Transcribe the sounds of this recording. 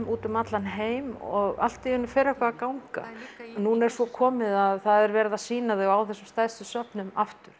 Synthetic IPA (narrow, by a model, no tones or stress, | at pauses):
mʔuːt̪ʏmat̪lanɦeːjmɔɣa̰l̥t̪iʏnːʏfɛːɾɛhkvaːkawŋka̰nuːnaɛɾ̥sɔkʰɔːmɪðaðθaðɛɾvɛɾðasiːnaðɪaːwθɛsːʏmst̪aðsʏsœpnʏmaft̪ʏɾ̥